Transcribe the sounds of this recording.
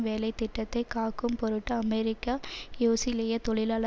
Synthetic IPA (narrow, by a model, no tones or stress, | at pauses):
ʋeːlɐɪt̪ːɪʈːɐt̪ːɐɪkaːkːɯmpɔɾɯʈːɐɐmɛɾɪkːajoːsɪlejɐt̪ɔɭɪlaːlɐ